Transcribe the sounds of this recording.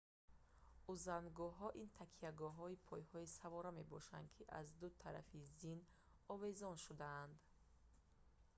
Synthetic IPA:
uzanɡɔɦɔʔint̪ʰakʰiaɡɔɦɔipʰɔjhɔisavɔɾame̞bɔʃa̰nd̪kʰiʔa̰zd̪ut̪ʰaɾa̰fizin | ɔve̞zɔnʃud̪aːnd̪

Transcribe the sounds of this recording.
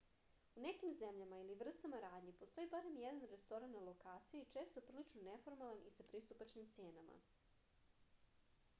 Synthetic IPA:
une̞kimze̞mʎamailiʋr̩st̪amaɾaːd̪ɲipo̞st̪o̞ibaɾe̞mjed̪anɾe̞st̪o̞ɾanːalo̞kaːt̪sijet͡ʃe̞ːst̪opɾ̩lit͡ʃnonefo̞ɾmalˠanisapɾist̪upat͡ʃnimt̪seːnama̰

